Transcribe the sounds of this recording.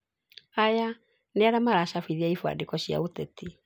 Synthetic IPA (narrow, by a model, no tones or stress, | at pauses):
aja | neaɾamaɾaʃafiðiaifwa̰dekɔɕja̰otɛti